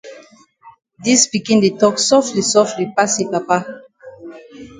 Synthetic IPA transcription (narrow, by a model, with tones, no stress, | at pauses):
di˦spi˨kĩ˦nde˨tɔ˦ksɔ˦fli˨sɔfli˨pa˦si˨pa˨pa˦